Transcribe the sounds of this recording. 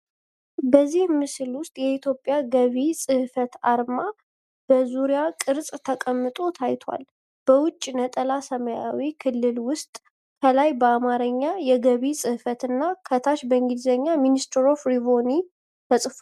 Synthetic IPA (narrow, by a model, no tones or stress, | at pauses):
bəzːihmɨslwʊst̪ʼjɛit̪ʰjo̞pʼːjaɡəβisʼɨhfət̪aɾma | b̥əzuɾijakʼɨɾsʼt̪ʰəkʼəmːɨt̪ʼo̞t̪ʰajt̪ʰwa̰l | b̥əwʊt͡ʃʼːinət̪ʼəlasəməja̰wikʰɨlːɨlwʊst̪ʼ | kʰəlajbəamaɾəɲːajɛɡəβisʼɨhfət̪ɨnːakʰət̪ʰaʃbəŋɡid̪zəɲːaminist̪ʰɛɾo̞fɾivo̞ni | t̪ʰəsʼɨf